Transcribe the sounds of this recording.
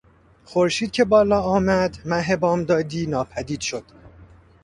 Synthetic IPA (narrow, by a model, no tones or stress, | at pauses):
xo̞ɾʃiːd̪̚kcʰe̞bɒːlɒːɒːmæd̪mæɦebɒːmd̪ɒːd̪iːnɒːpʰæd̪iːd̪̥ʃo̞d̪̥